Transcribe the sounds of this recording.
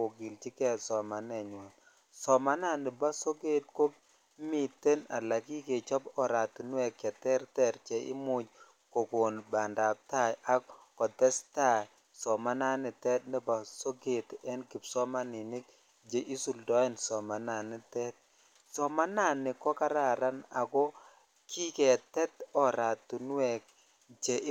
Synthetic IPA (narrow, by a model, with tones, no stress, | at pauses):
o˨ɡɪ˨lt͡ʃi˦kɛ˦sɔ˨ma˨nɛ˨ɲwɔ˨n | sɔ˨ma˦na˦˨nɪ˨ba˦so˦ɡe˦t̚ko˦b̚ | mi˨te˦na˨la˨ki˦ke˨t͡ʃɔ˦pɔ˨ɾa˨tnwɛ˨kɛ˨tɛ˦ɾtɛ˦ɾt͡ʃɛ˨ʔɪ̰˦mu˨d͡ʒ | ko˨ko˨nba˨nda˨p̚ta˦ja˦kɔ˨tɛ˦sta˦˨ | sɔ˨ma˦na˦nɪ˨tɛ˦t̚nɛ˦ba˨so˦ɡe˨tɛ˦nki˨psɔ˦ma˦nɪ˨nɪ˦k | d͡ʒe˨ʔi˦su˨ldɔ˦ɛ˦nsɔ˨ma˨na˨nɪ˦tɛ˦t̚ | sɔ˨ma˦na˦˨nɪ˨kɔ˦ka˦ɾa˨ɾa˦na˨kɔ˦ | kʰi˦ke˨tɛ˦tɔ˨ɾa˨tu˨n˦wɛ˨k̚ | t͡ʃe˨˦